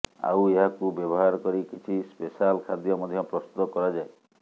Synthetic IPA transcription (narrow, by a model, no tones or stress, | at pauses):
a̰weɦakubjɔbɔɦaɾɔkɔɾikit͡ʃʰispesalkʰad̪jɔmɔd̪ʱjɔpɾɔst̪ut̪ɔkɔɾad͡ʒae